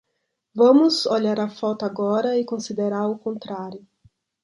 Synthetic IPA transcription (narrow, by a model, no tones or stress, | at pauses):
vɐ̃mʊzoʎaɾɐfɔt̪ʊaɡɔɾɐɪkõsid̪eɾaɾʊkõnt̪ɾaɾjʊ